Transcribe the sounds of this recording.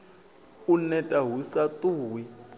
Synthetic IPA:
unɛtʼaɦusatuːwi

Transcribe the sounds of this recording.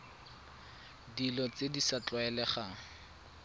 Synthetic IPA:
dilɔt͡sedisat͡ɬʼaɛlɛχa

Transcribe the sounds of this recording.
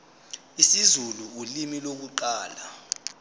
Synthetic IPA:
isizuluːlimilok̬uǃaːla

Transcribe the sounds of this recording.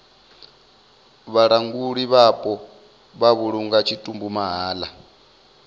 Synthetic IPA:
βaɺaŋɡuɺiβapʼɔ | βaβuɺuŋɡat͡ʃʰitʼumbumaɦaːla

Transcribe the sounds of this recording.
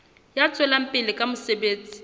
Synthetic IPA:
jat͡sʼɛlam̩pʼɪlɪkʼamʊsebeːt͡sʼi̥

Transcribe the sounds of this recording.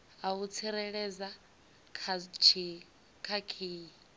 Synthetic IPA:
aut͡sʰiɾɛɺɛd͡za | kʰat͡ʃʰi | kʰakʰiːji

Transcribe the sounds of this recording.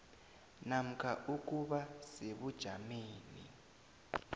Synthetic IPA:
nam̩kʼʰaʔuk̬ʼuɓaseβud̥ʒ̥ʱameːnḭ

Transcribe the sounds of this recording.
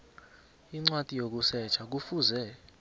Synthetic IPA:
iŋ͡ǀwatʼijok̬usɛt͡ʃʰak̬ufuzɛ

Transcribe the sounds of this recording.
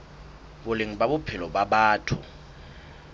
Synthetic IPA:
bʊleŋ̩ɓabʊpʰɪlɔbaɓaːtʰʊ̰

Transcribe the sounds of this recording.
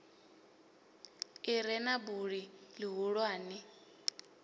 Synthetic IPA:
iɾɛnabuɺilɪɦuɺwaːnɪ

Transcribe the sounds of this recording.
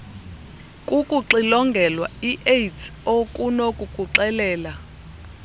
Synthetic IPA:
kʼukʼuǀilɔŋɡʱɛlwaiʔejtʰokʼunokʼukʼuǁɛlɛːla

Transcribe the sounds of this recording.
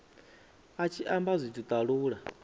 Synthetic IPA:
at͡ʃʰiʔambazʷitʰut̪ʼaɺuːɺa

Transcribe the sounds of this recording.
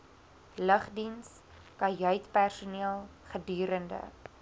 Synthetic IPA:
ləχdins | kɐjœɥtpærsuniəlˠχədyːɾəndə̰

